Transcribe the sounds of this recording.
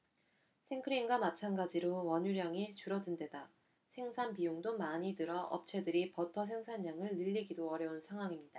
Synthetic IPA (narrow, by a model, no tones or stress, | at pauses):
sʰe̞ŋkʰɯɾinɡwamat͡ɕʰanɡad͡ʑiɾowʌɲuɾjaŋit͡ɕuɾʌdunde̞da | sʰe̞ŋsʰanpijoŋdomaɲidɯɾʌʔʌ̰p̚t͡ɕʰe̞dɯɾipʌtʰʌs̬ʰe̞ŋsʰaɲːaŋɯɭnɯʎːiɡidoʌɾjʌunsʰaŋɦwaŋimɲid̥a